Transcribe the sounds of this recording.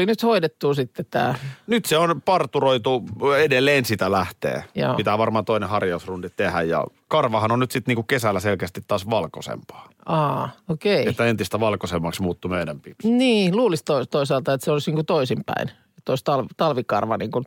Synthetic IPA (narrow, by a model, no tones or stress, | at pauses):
linyt̪hoidet̪ːuːsit̪ːet̪t̪æ̰ːnyt̪seonpɑrt̪uroit̪uedelːeːnsit̪ælæht̪ḛːjo̰ːit̪æʋɑrmɑːt̪oinehɑrjɑusrundit̪t̪ehæjjɑ̰ | kɑrʋɑhɑnonnyt̪sit̪niːŋkukesælːæselkeæst̪it̪ːɑːsʋɑlko̰sḛmpɑ̥ː | ɑːokeiet̪ːæent̪ist̪æʋɑlkosemːɑksmuːt̪ːumeidæmpiniːluːlist̪oit̪oisɑˑːlt̪ɑet̪seolisniːŋkut̪oisimpæ̰in | et̪ːoist̪ɑlʋt̪ɑlʋikɑ̰rʋɑ̰nḭːŋkun